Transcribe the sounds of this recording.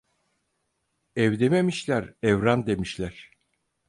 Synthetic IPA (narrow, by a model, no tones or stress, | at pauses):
ɛvd̪ememiʃlʲæɾɛvɾand̪e̞miʃlʲæɾ̥